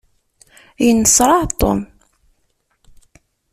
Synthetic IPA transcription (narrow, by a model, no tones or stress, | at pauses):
jənːəsɾˤɑʕt̪ˤːo̰m